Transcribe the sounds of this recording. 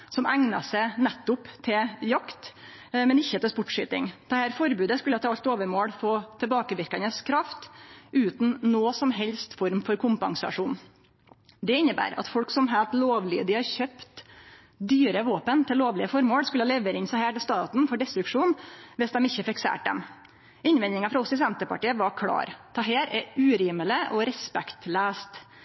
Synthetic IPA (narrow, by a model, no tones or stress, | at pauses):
sɔmæŋnɑ̰sæɪnɛt̪ːʊpt̪ʰɪljɑkt̪ | mɛnɪçːət̪ɛlspʊʈʂy̰ːt̪ɪ̰ŋd̪̥ɛhæːɾfɔɾbʉːd̪əskʉlːəɑt̪ɑlt̪oːʋəɾmoːɽfoːt̪ʰɛlbɑːkəʋɪɾkɑnəskʰɾɑft̪ʉːt̪n̩noːsɔmɦɛlst̪fɔɾmfɔɾkʰʊmpɑŋsɑ̰ʂuːn | d̪ɛɪnːəbæ̰ːɾɑ̰t̪fɔlksɔmɦæːlt̪loːʋlɪəd̪ɪhɑɾçøpt̪ | d̪yːɾəʋoːpənt̪ʰɪlloːʋlɪəfɔɾmoːɽskʉləɑlɛʋəɾɪnsɑhæːʈɪlst̪ɑːt̪nfɔɖɛst̪ɾʉkʂuːnʋɛsd̪ɛmɪçːəfɪksḛːʈ̚d̪ɛ̰m | ɪnʋɛnɪŋɑfɾɑɔsɔɪs̬ɛnt̪əpɑ̰ʈiːəʋɑɾkʰɽɑ̰ːɾt̪ʰɑɦeːɾɛʉːɾiːmələʔɔɾɛspɛkt̪læːst̪